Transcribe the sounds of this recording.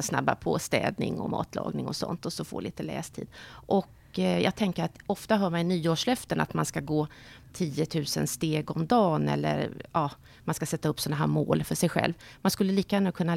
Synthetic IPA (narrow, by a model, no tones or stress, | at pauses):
sna̰bːa̰pʰɔst̪ɛ̰ːd̪nɪŋɔ̰mɑ̰ːt̪ʰlɑ̰ːɡnɪŋɔsɔ̰nt̪ɔsɔfo̰ːɭiːt̪əlɛ̰ːst̪ʰḭːd̪ʔɔk | jɑ̰ːɡ̚t̪ʰɛŋkəɾat̪ɔft̪aɦœːɾmanɪnyːoːʂlœft̪əna̰t̪manskaɡoː | t̪ʰiːət̪ʰʉ̟ːsənst̪eːɡɔmd̪ɑːnɛlːə̰ɾɑː | manskasɛt̪ːaɵpːsɔnːaɦæːɾmoːlfœʂɛjɧɛ̰lvmanskɵlːəliːkaɡæːnːakʰɵnːa